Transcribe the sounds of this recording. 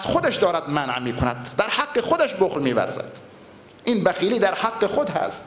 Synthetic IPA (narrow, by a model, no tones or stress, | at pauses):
z̥xod̪æʃd̪ɒːɾæd̪mænʕmiːkʰonæd̪̚d̪æɾhaqːexod̪æʃboχlmiːvæ̰ɾzæ̰d̪̥ | ʔiːnbæxiːliːd̪æɾhaɡːexod̪hæ̰st̪